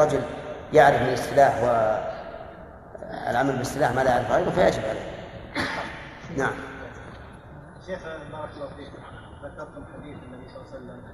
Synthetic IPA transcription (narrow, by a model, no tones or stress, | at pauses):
ɑd͡ʒʊljaʕɾɪfmɪnɪstɪlaːħwɪ | lʕamalbɪsːɪlaːħmalajʕaɾɪfhaːðʊfajaʕd͡ʒɪbʕalḛːk | naʕam | ʃːeːxbɑːɾˤɑklˤːɑfiːk | hat̪ɑb̚t̪ɪħad̪iːθɪnːabisˤɑlːɑsalːam